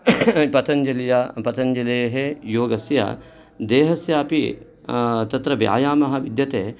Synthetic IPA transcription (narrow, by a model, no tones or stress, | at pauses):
pɐt̪ʰɐnd͡ʒɐlɐjapɐt̪ʰɐnd͡ʒɐlɐjɐɦejoːɡɐsjɐ̰ | d̪eːɦɐsjaːpi | t̪ɐt̪ɾɐbja̰ːjaːmɐɦɐ̆ʋid̪jɐt̪eː